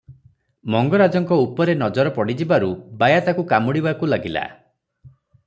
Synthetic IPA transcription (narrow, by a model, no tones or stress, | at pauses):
mɔŋɡɔɾad͡ʒɔŋkɔupɔɾenɔd͡ʒɔɾɔpɔɽid͡ʒibaɾubajat̪akukamuɽibakulaɡila̰